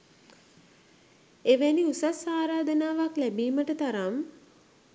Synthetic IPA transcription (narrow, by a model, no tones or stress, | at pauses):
eʋæniusasaːɾaːd̪ənaːʋaklæbiːməʈət̪aɾam